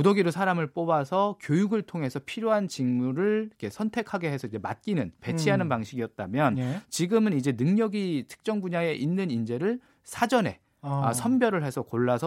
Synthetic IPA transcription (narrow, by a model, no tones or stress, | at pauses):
kudoɡiɾosʰaɾamɯɭp͈obasʰʌkjojuɡɯɭtʰoŋɦe̞sʰʌpʰiɾjoɦant͡ɕinmuɾɯɭikʰe̞sʰʌntʰe̞kʰaɡe̞ɦe̞sʰʌid͡ʑe̞ma̰t̚k͈inɯnpe̞t͡ɕʰiɦanɯnpaŋɕʰiɡiʌt̚t͈amjʌnt͡ɕiɡɯmɯnid͡ʑe̞nɯŋɲʌɡitʰɯ̥k̚t͡ɕ͈ʌŋbuɲae̞ʔinːɯnind͡ʑe̞ɾɯɭ | sʰad͡ʑʌne̞ | asʰʌmbjʌɾɯɭɦe̞sʰʌkoɭːasʰʌ